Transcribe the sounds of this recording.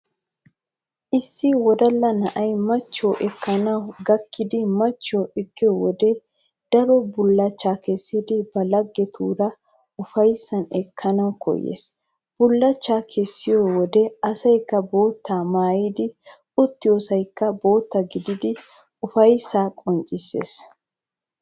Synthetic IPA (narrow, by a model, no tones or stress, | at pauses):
ʔɪsːɪwɔd̪ɐlːɐnɐʔɐjmɐt͡ʃːoːʔɛkʰːɐnɐwɡɐkʰːɪd̪ɪmɐt͡ʃːoːɪɡːɛwɔd̪ɛ | d̪̥ɐɾɔbʊlːɐt͡ʃːaːkɛsːɪd̪ɪbɐlɐɡːɛt̪ʰṵːɾɐ | ʊfɐjsːɐnɛkʰːɐnɐwkɔ̰jːḛːs | b̥ʊlːɐt͡ʃːaːkʰɛsːɪjowɔd̪ɛɐsɐjkːɐbo̞ːt̪ːamaːjɪd̪ɪ | ʊt̪ːɪjoːsɐjkːɐbo̞ːt̪ːɐɡɪd̪ɪd̪ɪ | ʊfɐjsːaːkʼɔnt͡ʃʼɪsːḛːs